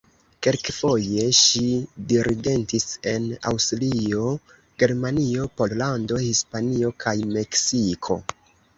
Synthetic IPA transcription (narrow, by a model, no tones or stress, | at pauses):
ke̞lkfo̞je̞ʃidiɾʔiɡe̞ntise̞na̰wstɾlio̞ | ɡ̥e̞ɾmanio̞pollando̞hispanio̞kʰajme̞ksikʰo̞̰